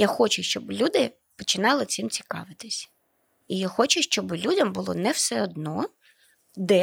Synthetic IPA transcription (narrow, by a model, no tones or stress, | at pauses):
jaxɔt͡ʃʊʃt͡ʃɔblʲud̪ɪ | pɔt͡ʃɪnɑlˠɪt͡s̪imt͡sʲi̥kɑ̰ʋɪt̪ɪsʲɐ̥ | ijaxɔt͡ʃʊʃt͡ʃɔbɪlʲudʲɐmbʊlˠɔ̰nɛwsɛɔd̪nɔ | d̪ɛ